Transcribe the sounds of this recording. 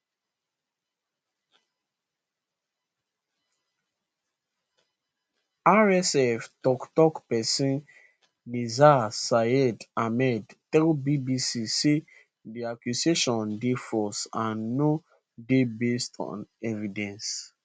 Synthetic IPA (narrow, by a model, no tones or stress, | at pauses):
aɹɛsɛftɔktɔkpɛsĩn | nizasaɛdamɛdtɛkbibisise | diakjuseʃɔ̃ndefɔsãnːo | debestʰɔ̰̃nɛvidɛ̃ns